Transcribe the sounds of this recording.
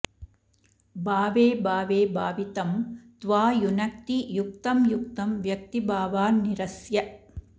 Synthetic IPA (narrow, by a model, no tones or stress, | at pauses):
baːʋeːbaːʋeːbaːʋit̪ɐmt̪ʋaːjʊnɐk̚t̪ijʊk̚t̪ɐmjʊk̚t̪ɐmʋjɐk̚t̪ibaːʋaːnɪɾɐsjɐ